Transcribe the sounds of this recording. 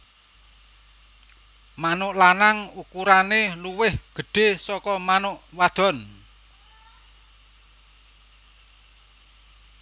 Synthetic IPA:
manʊʔlanaŋukuɾaneluwɪhɡ̥ə̤ɖ̥e̤sɔkɔmanʊʔwad̪̥ɔ̤n

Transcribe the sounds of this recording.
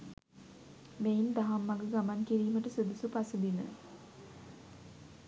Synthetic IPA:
meind̪aɦamːaɡəɡamankiɾiːməʈəsod̪usupasəd̪inə̰

